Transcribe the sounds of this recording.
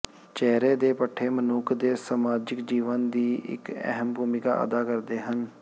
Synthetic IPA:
t͡ʃɛːɾeːd̪eːpəʈʰːeːmənuːkʰd̪eːsamaːd͡ʒɪkd͡ʒiːʋənd̪iːʔɪ̰kɛ̰ɦəmbʱuːmɪka̰ːʔə̰d̪aːkəɾd̪eːɦən

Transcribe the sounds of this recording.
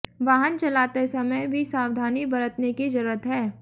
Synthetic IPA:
ʋaːɦənt͡ʃɐlaːt̪esɐməjbʱisaːwd̪ʱaːnibɐɾət̪nekid͡ʒɐɾuɾət̪ɦɛː

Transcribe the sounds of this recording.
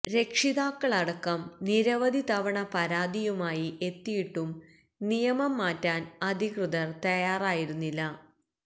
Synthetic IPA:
ɾe̞kʂiðaːkːɐɭɐɽɐkːɐmniɾɐʋɐd̪ʱit̪ɐʋɐɳɐpɐɾaːd̪ijumaːjiʔe̞t̪ːijiʈːum | nijɐmɐmːaːtːaːnɐd̪ʱikrɨðɐrt̪ɐjaːraːjiɾunːilːɐ

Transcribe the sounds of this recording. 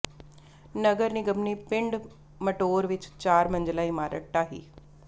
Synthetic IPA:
nəɡəɾniːɡəmniːpɪ̃ɳɖ | məʈoːɾʋɪt͡ʃt͡ʃaːɾmə̃nd͡ʒlaːɪmaːɾə̰ʈʈaːɦḭː

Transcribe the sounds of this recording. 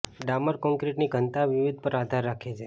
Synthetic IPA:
ɖaməɾkɔ̃ŋkɾiʈniɡʱənt̪aʋiʋid̪̚ʱpəɾad̪ʱaɾːakʰet͡ʃʰe

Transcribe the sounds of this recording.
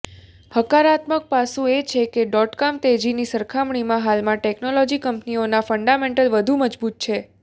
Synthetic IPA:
həkaɾat̪mək̚pasũet͡ʃʰekeɖɔʈkamt̪ed͡ʒinisəɾkʰamɳimãɦalmãʈeknolɔd͡ʒikəmpnionafəɳɖamẽɳʈəlʋəd̪ʱuməd͡ʒbut̪̚t͡ʃʰe

